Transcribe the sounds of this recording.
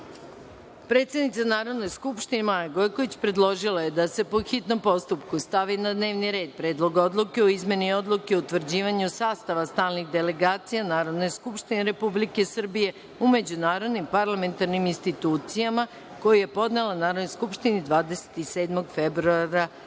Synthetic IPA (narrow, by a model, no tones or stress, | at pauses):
pɾe̞t̪sjed̪nit̪sanaːɾo̞d̪no̞jskupʃt̪inemajaɡojko̞ʋit͡ɕpɾe̞d̪lˠo̞ʒilˠaje̞d̪ase̞po̞xit̪no̞mpo̞st̪upkust̪aʋinad̪ne̞ːʋniɾe̞ːd̪̚pɾeːd̪lˠo̞ɡo̞d̪lˠuke̞oizme̞nio̞d̪lˠukeout̪ʋr̩d͡ʑiːʋaɲusaːst̪aʋast̪aːlniɣd̪ele̞ɡaːt̪sijanaːɾo̞d̪no̞jskupʃt̪ineɾe̞publike̞sr̩bije̞ | ume̞d͡ʑunaːɾod̪nimpaɾlˠame̞nt̪aɾniminst̪it̪uːt̪sijama | ko̞juje̞po̞d̪ne̞lanaːɾod̪nojskupʃt̪inid̪ʋaːd̪ese̥t̪iseːd̪mo̞ɡfebɾuaɾa